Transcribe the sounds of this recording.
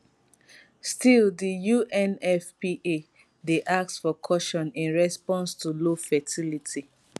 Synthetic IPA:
stildijuʔɛ̃nɛfpiʔe | deʔak̚tfɔkʰɔʃɔ̃nĩnɹɛspɔ̃nstulofɛtilitʰi

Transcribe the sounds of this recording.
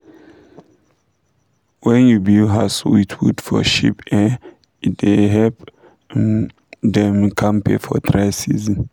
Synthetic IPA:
wɛ̃njubilɦaswitʰwṵdfɔ̰ʃḭpɛ | iteɦɛlp | dɛ̃mkʰãmpʰḛfɔtɹasizĩn

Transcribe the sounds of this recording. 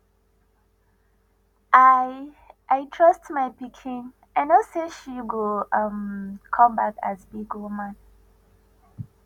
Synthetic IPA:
a | ʔajtʰɹ̥ʌstmaɪpikʰĩn | ãnaseʃiɡoʌmkʰɔ̃mbaka̰zbiɡomãn

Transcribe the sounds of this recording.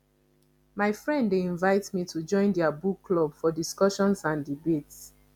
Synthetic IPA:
maɪfɹɛ̃ndːeĩnvaɪtmitʰud͡ʒɔ̃ɪ̃ndɛabukːlɔbfɔdiskɔʃɔ̃nsãndibets

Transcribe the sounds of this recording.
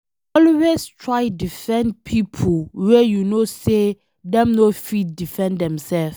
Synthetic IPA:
ɔlwestʰɹajdifɛ̃ndpʰipʰolwɛjunose | dɛ̃mnofit̚difɛ̃ndɛ̃msɛlf

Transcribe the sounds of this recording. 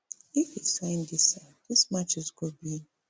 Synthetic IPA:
ɪfisãɪ̃ndisadɪsmat͡ʃɪzɡobi

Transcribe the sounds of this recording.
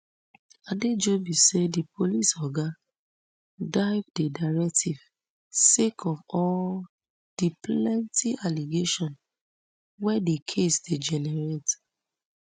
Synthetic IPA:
aded͡ʒobisedipolisɔɡa | daɪvdedaɪɹɛk̚tʰiv̥ | sekʰɔvɔl | d̥iplɛ̃ntʰiʔaliɡeʃɔ̃n | wɛdikʰesded͡ʒɛnɛɹet

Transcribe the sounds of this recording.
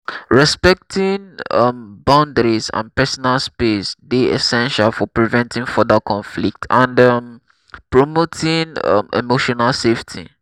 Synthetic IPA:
ɹɛspɛk̚tʰĩŋʌmbãʊ̃ndəɹisã̰npɛsɔnalspesdeɛ̰sɛ̃nʃalfɔpɹivɛ̃ntʰĩŋfɔdəkʰɔ̃nflik̚tʰãndʌm | pɹɔmotʰĩŋʌ̰mḛmoʃɔnalseftʰḭ

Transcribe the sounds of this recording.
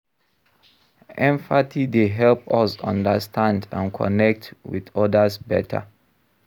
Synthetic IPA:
ʔɛ̃ɱfatʰideɦɛlpɔsɔ̰̃ndəstʰãndã̰nkʰɔ̰nɛk̚twḭdɔdəsbɛtʰa̰

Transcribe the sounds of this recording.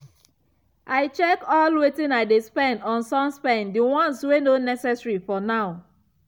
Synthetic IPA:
ʔaɪt͡ʃɛkɔlwetĩnaɪdespɛ̃ndɔ̃nsɔ̃nspɛ̃ndiwɔ̃nswenonɛsɛsɹifɔnaʊ

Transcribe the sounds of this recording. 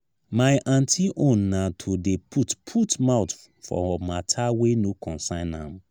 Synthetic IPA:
maɪʔãntʰiʔõnːatʰodepʰutpʰutmaʊt | fɔ̰ɔmatʰawenokʰɔ̃nsãɪ̃nhã̰m

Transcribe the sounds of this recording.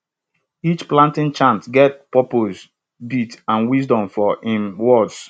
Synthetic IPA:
it͡ʃplãntɪ̃nt͡ʃãntɡɛt̚pɔpoz | bitãnwizdɔ̃mfɔĩmwɔds

